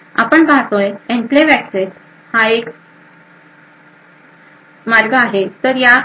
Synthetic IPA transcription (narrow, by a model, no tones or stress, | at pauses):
a̰pəɳbaɦt̪ojẽmpleʋækses | haek | maɾɡəaɦet̪əɾja